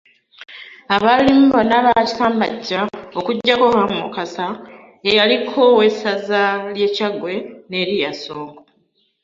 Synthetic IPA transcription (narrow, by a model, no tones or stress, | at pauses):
aβaliːmbonaβaci̥saːmba̰ɟːao̞kuɟːakohamukasa | ejalikʰowe̞sazalje̞ːcaɡwe̞ne̞ɾijaso̞ːŋɡo